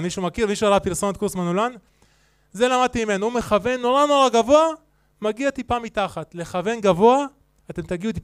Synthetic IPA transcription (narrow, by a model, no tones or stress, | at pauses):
miʃumakiʁmiʃualapiʁso̞not̪kuʁsmanulan | ze̞lamad̪̚t̪imime̞nuume̞χave̞nːo̞ʁano̞ʁaɡavo̞a | maɡiat̪ipamit̪aχat̪le̞χave̞nɡavo̞a | at̪e̞mt̪aɡiut̪i